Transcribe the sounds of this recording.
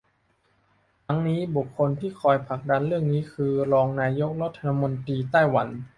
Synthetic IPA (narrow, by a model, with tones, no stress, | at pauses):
t̪ʰa˦˥ŋniː˦˥bu˨˩kʰːo˧nt̪ʰiː˥˩kʰɔː˧jpʰa˨˩k̚da˧nɾɯ˥˩əŋniː˦˥kʰɯː˧ɾɔː˧ŋnaː˧jo˦˥k̚ɾa˦˥t̪ʰːa˧nʰa˦˥mo˧nt̪ɾiː˧t̪aː˥˩jwa˩˦n